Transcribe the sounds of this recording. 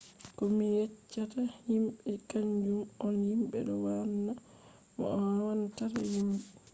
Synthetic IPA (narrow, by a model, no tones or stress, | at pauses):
kɔmijɛt͡ʃːatahimɓɛkaɲd͡ʒumɔnhimɓɛ̰ɗɔwanːa | mɔ̰ʔɔwantatajimbɛ